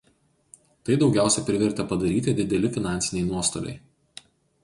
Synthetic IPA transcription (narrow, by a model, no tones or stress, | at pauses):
t̪ɐɪd̪ɒʊɡʲæˑʊsʲɛpʲɾʲɪʋʲɛɾʲt̪ʲɛpɐd̪ɐɾʲiːt̪ʲɪd̪ʲɪd̪ʲɛlʲɪfʲɪnɑˑnʲsʲɪnʲɛɪnuɔst̪o̰lʲɛ̰ɪ